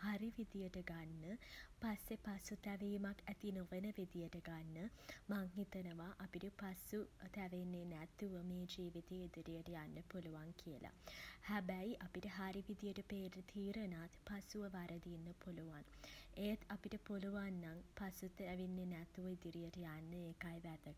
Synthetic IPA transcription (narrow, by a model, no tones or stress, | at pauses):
haɾiʋid̪ijəʈəɡanːəpasːepasut̪ɛʋejmakːæt̪inoʋenəʋed̪ijəʈəɡanːəmaŋɦit̪ɐnəʋaʔapiɖɨpasut̪æʋenːenæt̪ːuʋəmeːd͡ʒeːʋid̪ijəid̪iɾijəʈəjanːəpoluʋaŋkʰijəlʔa̰hɛbæjʔɐpiʈəɦaɾiʋid̪ijəʈəpeːɾt̪ʰiːɾənaːt̪pasuʋəʋaɾɐd̪inːəpoluʋanejt̪ʰɐpiʈəpoluʋanːaŋpasut̪ʋenːenæt̪ːuʋəid̪iɾijəʈəjanːəekajʋæd̪əɡ